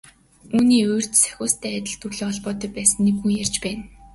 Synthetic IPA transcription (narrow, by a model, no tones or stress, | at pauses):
uːniːoj̆r̥t̪sæ̥xʲʊːst̪ʰæːæt̪ʲɪ̆ɮt̪urɮeːɔɮpɔːt̪ɞ̆pæːsə̆nːekxujjært͡ɕpæːn